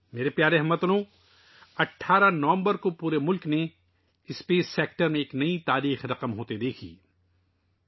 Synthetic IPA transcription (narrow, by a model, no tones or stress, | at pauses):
meːɾepjaːɾeɦɐmɐt̪ɐlõː | ɐʈʰːaːɾanɐʋə̃mbəɾkopuːɾemʊlkne | ɪspeːsːeːk̚ʈəɾmẽeːknɐit̪aːɾiːxɾɐqəmɦoːt̪ed̪eːkʰḭː